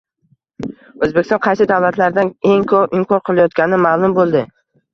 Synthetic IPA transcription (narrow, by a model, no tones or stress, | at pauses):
ɵzbekʲɪst̪ɒ̃nqʰɑjsɪd̪avlat̪ʰlaɾd̪ane̞ŋkʰɵpɪmkʰɒɾqʰɨlˠajɒt̪̚kʲanɪmaːlˠʊmbolˠd̪ɪ